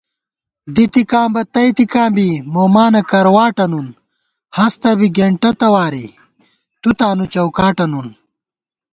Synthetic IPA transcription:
b̪it̪ikãːmbɐt̪ɐjt̪ikãːmbimoːmaːnɐkɐɾwaːʈɐnun | hɐst̪ɐbiɡeɳʈɐt̪ɐwaːɾḭ | t̪ut̪aːnut͡ɕɐwkaːʈɐnun

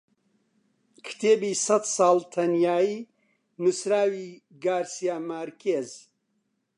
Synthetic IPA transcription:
kʰt̪ʰeːbiːsɐt̪sɑːlt̪ʰɐnjaːiː | nusɾaːwiː | ɡaːɾsijaːmaɾkʰeːz

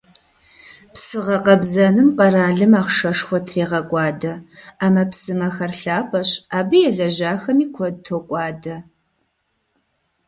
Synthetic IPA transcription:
psɨʁɐqɐbzɐnɨmqɐɾaːɮɨmaːχʂɐʂxʷɔtʰriːʁɐkʷʼɑːdɐaːmɐpsɨmɐxɐrɬaːpʰʼɐɕaːbɨjɛɮɐʑaːxɐmiːkʷʰɔtʰokʷʼɑːdɐ

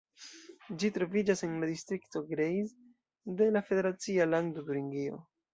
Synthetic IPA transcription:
d͡ʒitɾo̞vid͡ʒase̞nladistɾikto̞ɡɾejz | de̞lafe̞de̞ɾat͡sialaŋdoduɾiŋɡio̰

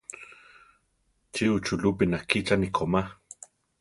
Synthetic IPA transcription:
t͡ʃiut͡ʃulupinahkit͡ʃanikʰoma

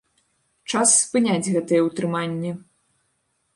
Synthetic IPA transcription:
t͡ʂasːpɨnʲad͡zʲɣɛt̪ɨjɛwt̪ɾɨmanʲːi

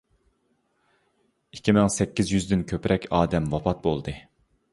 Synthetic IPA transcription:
ikʲimɪŋsɛkʲːizjyzd̪ɪnkʲʰøpɾʔɛkʲʰɑːd̪ɛmwɑpɑt̪̚bolˠd̪ɨ

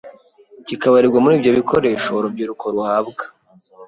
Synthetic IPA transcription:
cikaβaɾiɾɡwamuɾiːvjo̞βikʰo̞ɾe̞ːʃoɾubɟiɾukʰoɾuhaːbɡḁ

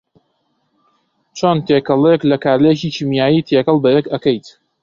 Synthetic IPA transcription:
t͡ʃʰoːnt̪ʰeːkɐlˠeklɐkaːɾlɐjet͡ʃikʰimjaːjiːt̪ʰekɐlˠbɐjekɐkɐjt̪

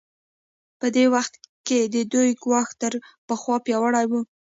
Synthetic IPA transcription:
pəd̪ewaxt̪ked̪əd̪ujɡwɑxt̪əɾpəxwɑpjɑwəɽajwu

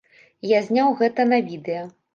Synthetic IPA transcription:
jazʲnʲawɣɛt̪ɐnɐvʲid̪ɛjɐ

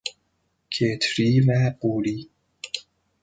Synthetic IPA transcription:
kʰet̪ʰɾiːmæquːliː

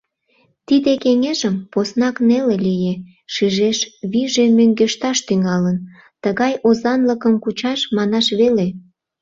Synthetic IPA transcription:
t̪id̪ekeŋeʒəmposnɑknelelije | ʃiʒeʃβiʒemøŋɡeʃt̪ɑʃt̪yŋɑlən | t̪əɣɑjʔozɑnləkəmkut͡ɕɑʃmɑnɑʃβele

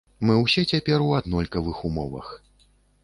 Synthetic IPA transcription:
mɨwsʲɛt͡sʲapʲɛɾuad̪nɔlʲkɐvɨxumɔvɐ̰x

